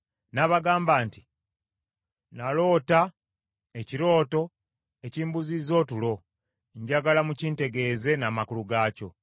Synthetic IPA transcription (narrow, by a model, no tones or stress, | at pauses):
naβaɡaːmbaːnti | nalo̞ːta | eciɾo̞ːto̞ | e̞ciːmbuzizo̞ːtulo̞ | ɲɟaɡalamuciːnte̞ɡe̞ːze̞namakuluɡaːco̞